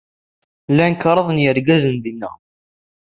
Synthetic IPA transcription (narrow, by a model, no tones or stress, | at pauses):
lːænəkːɾˤəðˤənjəɾɡæzənd̪inːə̰